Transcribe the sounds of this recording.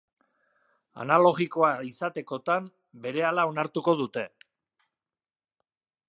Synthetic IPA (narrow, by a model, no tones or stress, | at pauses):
a̰nalo̞ɣiko̞aisat̪e̞ko̞t̪am | be̞ɾe̞alao̞naɾt̪uko̞ð̞ut̪e̞